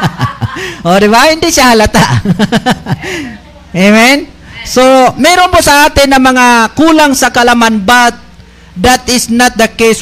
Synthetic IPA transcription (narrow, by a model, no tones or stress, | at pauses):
ʔod̪ɪbahɪnd̪ɪʃahɐlɐt̪aʔ | emɛn | somɛːɾonposɐaːt̪ɪnːɐmɐŋakuːlaŋsɐkɐlɐmanbat̪̚ | d̪at̪ɪsnat̪̚d̪ɐkejs